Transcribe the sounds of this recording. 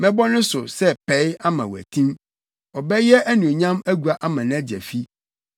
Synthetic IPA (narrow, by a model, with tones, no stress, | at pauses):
mɛ̃˦bɔ˦nʊ̃˦sʊ˨sɛ˦pʰɛ˨˦ja˦mã˨wæ̰˨tʰĩ˦m | ɔ˨bɛ˦jɛ˦ʔæ˦nũ˨ɲã˦mæ˦ɡu˨a˦ʔa˦mã˨ñ˦æ˦d͡ʑi˨ɛ̰˨fi˦